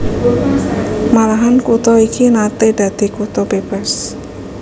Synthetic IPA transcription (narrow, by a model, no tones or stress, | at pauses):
malaɦankut̪ɔikinat̪ed̪̥ä̤d̪̥i̤kut̪ɔb̥eb̥a̤s